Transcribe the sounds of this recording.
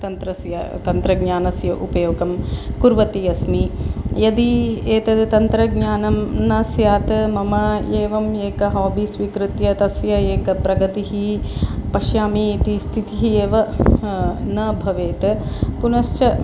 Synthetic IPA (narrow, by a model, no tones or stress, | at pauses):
t̪ɐnt̪ɾɐsjɐ̰t̪ɐnt̪ɾɐɡɲaːnɐsjɐʔupɐjoːɡɐmkuɾʋɐt̪ijɐsmijɐd̪ieːt̪ɐd̪t̪ɐnt̪ɾɐɡɲaːnɐmnɐsjaːt̪ɐmɐmɐeːʋɐmeːkɐɦoːbʱisʋiːkɾɪt̪jɐt̪ɐsjɐeːkɐpɾɐɡɐt̪iɦipɐʃjaːmiːt̪ist̪ʰit̪iɦieːʋɐ | nɐbʱɐʋeːt̪ɐpunɐʃt͡ʃɐ